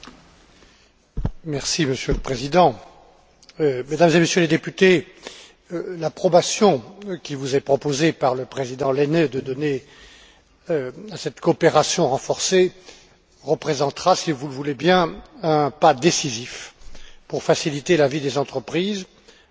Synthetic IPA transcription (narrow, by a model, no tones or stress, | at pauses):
mɛʁsiməsjøləpχezid̪ɑ̃ | med̪amzemesjøled̪epyt̪e | lapχɔbasjɔ̃kʲivuzɛpχɔpozepaʁləpχezid̪ɑ̃lened̪əd̪ɔne | asɛt̪koːpeʁasjɔ̃ʁɑ̃fɔʁse | ʁəpχezɑ̃t̪ʁasivulvulebjɛ̃ɛ̃pad̪esizifpuʁfasilit̪elavid̪ezɑ̃t̪χəpχiːz